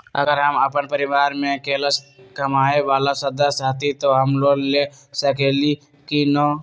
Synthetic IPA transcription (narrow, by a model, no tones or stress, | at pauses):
ə̰ɡəɾɦəməpənpəɾɪʋaːɾmẽkeːləskɐmaːeʋaːlasəd̪əsaːt̪ʰit̪oɦəmloːɡle | səkeːli | kinɔː